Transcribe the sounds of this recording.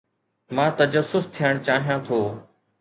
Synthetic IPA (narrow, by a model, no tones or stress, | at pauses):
mãːt̪ɐd͡ʒəsːʊst̪ʰijəɽ̃t͡ʃaːɦijãːt̪ʰoː